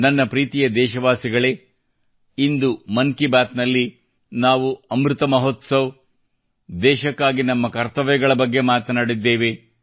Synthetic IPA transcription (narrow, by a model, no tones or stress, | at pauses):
nɐnːɐpɾiːt̪ijɐd̪ɛːʃɐʋaːsiɡɐɭe̞ː | ind̪umɐnkibaːt̪nɐlːi | naːʋuɐmɾut̪ɐmɐɦot̪sɐʋ | d̪ɛːʃɐkːaːɡinɐmːɐkɐɾt̪ɐʋɐjɐɡɐɭɐbɐɡːe̞maːt̪ɐnaːɽid̪ːeːʋe